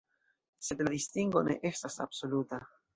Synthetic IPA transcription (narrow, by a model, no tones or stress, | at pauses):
se̞d̪lad̪istiŋɡo̞ne̞̰ʔe̞stasa̰b̥so̞luta